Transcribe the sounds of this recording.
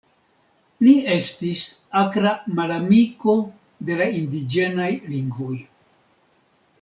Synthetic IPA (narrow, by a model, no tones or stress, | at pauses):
lie̞stisakɾamalamiko̞ | de̞laindid͡ʒe̞najliŋɡvoj